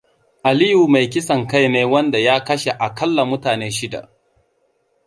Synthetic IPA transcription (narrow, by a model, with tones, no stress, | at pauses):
ʔa˨liː˦ju˨ma˨jk̬ʲɪ˦sɐ˨ŋka˦jneː˦wɐ˦nda˨jaː˦kɐ˦ʃe˨ʔa˨kɐ˦lːa˨mʊ˦taː˨neː˦ʃɪ˦da̰˨ʔ